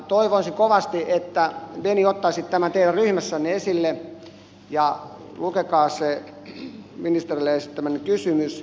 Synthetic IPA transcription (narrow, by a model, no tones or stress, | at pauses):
t̪oiʋonsikoʋɑst̪iʔet̪ːæʋeniot̪ːɑːsit̪t̪æmænt̪eilæryhmæsːænːeesilːe | jɑ | lukekɑːse | minist̪erilːeeˑisit̪t̪æmːønekysymys